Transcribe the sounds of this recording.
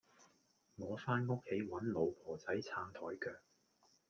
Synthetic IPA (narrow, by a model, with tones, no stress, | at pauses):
ŋɔː˨˧faː˥nŋʊ˥k̚hʰe˨˥jwɐ˨˥nlo˨˧wpʰɔː˨˩t͡sɐ˨˥jt͡sʰaː˧nt̪ʰɔː˨˩jkʰœː˧k̚